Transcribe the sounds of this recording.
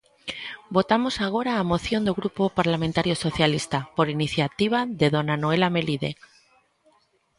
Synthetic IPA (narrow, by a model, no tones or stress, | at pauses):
bo̞t̪amo̞saɣ̞o̞ɾaːmo̞θjo̞nd̪oɣɾupo̞paɾlamẽnt̪aɾjo̞so̞θjalist̪apo̞ɾiniθjat̪iβ̞aðe̞ðo̞nanoe̞lame̞liðe̞̰